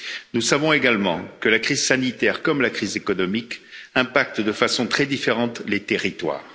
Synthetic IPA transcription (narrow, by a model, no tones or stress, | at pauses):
nusavɔ̃eɡalmɑ̃kəlakχizsanit̪ɛʁkɔmlakχizekɔnɔmikɛ̃pak̚t̪d̪əfasɔ̃t̪χɛd̪ifeʁɑ̃t̪let̪eʁit̪wa̰ːʁ